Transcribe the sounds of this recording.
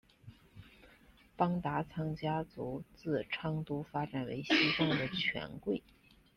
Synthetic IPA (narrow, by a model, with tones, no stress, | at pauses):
pɑ˥ŋt̪a˧˥t͡sʰɑ˥ŋt͡ɕja˥t͡su˧˥t͡sɹ̩˥˩ʈ͡ʂʰɑ˥ŋt̪u˥fa˥ʈ͡ʂa˨˩nwḛ˧˥ɪɕi˥fɑ˥˧ŋd̪ə˩t͡ɕʰɥɛ̰˧˥nkwe˥˩ɪ